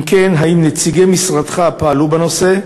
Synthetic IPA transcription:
mkenɦaimnet͡siɡemisʁad̪χapaːlubano̞se̞

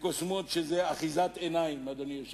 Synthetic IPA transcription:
kosmot̪ʃezeaχizat̪enaimad̪onijoʃ

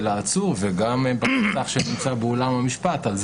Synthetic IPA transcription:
laːt͡suʁveɡambasaχʃenimt͡sabeolamhamiʃpat̪alz

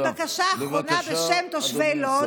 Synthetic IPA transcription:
vakaʃaːʁonabeʃemt̪o̞ʃvejlo

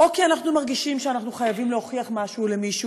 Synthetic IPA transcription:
ʔo̞kianaχnumaʁɡiʃimʃeanaχnuχajavimlehoχiaχmaʃuːlemiʃu

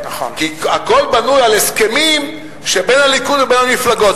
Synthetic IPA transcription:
kiako̞lbanujaleske̞mim | ʃebe̞nhalikud̪vebenhamiflaɡo̞t

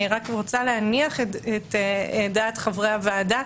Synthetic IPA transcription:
iʁakʁot͡salehaniaχeetedaːtχavʁehavaːda

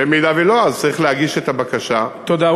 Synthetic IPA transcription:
emidaveloazt͡sɐʁiχlehaɡiʃet̪abakaʃat̪od̪a

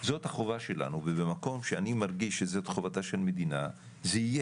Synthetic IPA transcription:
zo̞thaχo̞vaʃe̞la̰nuvebemako̞mʃeanimaʁɡiʃːezot̪χovat̪aʃelmed̪ina | zeije

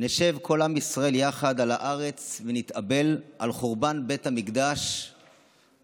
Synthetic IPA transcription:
neʃe̞vkʰo̞lamisʁae̞ljaχad̪alaʔaʁe̞t͡svenit̪abe̞lʔalχoʁbanbe̞thamikd̪aʃ

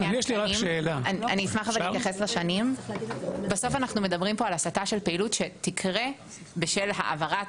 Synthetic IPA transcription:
jɛʃliʁaimʃeːlaana̰niːsmaχavallittjaχeslaʃanim | baso̞fanaχnumedɐbʁimpoalasataʃe̞lpeilutʃetikʰʁe | beʃelɦa̰ʔa̰vaʁa

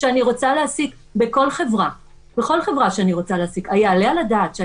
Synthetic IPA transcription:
ʃeaniʁo̞t͡saleasik | be̞ko̞lχevʁa | beχo̞lχe̞vʁaʃeaniʁo̞t͡saleasikajaalealadaːtʃea

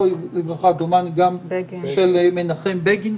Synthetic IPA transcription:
olibʁaχad̪omanɡamʃelmenaχembeɡin

